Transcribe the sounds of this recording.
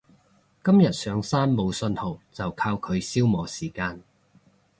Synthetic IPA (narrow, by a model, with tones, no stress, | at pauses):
kɐ˥mjɐ˨t̚sœː˨˧˥ŋsaː˥nmo˨˧wsɵ˧nho˨wt͡sɐ˨wkʰaː˧wkʰɵ˨˧ɥsiː˥wmɔː˨˥siː˨˩kaː˧n